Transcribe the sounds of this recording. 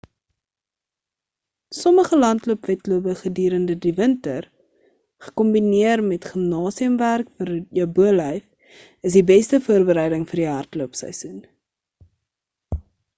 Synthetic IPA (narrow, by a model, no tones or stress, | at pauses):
sɔməχəlɐntluəpvɛtluəpəχədyːɾəndədivəntər | χə̥kɔmbiniərmɛtχəmnɑːsiəmværkfəɾjəbuəlɛjf | əs̬dibɛstəfuərbəɾɛjdəŋfərdiɦɐrtluəpsɛ̰jsun